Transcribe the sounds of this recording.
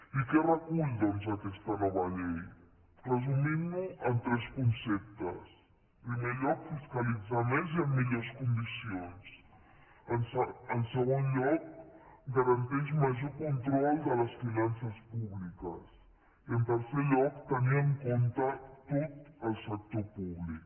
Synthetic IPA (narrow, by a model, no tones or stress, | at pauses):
ikɛrəkuʎd̪ɔnzakɛst̪ənɔβəʎej | rəzumimnuənt̪ɾɛskunsɛp̚t̪ə̰s | pɾimeʎɔkfiskalid͡zamenziəmːiʎoskund̪isions | ənənsəɣonʎɔk̚ɡəɾənt̪ɛʃməʒokunt̪ɾɔlˠd̪ələsfinansəspuβlikəs | iənt̪əɾseʎɔkt̪əniəŋkont̪ət̪ot̪əlˠsək̚t̪opuβlik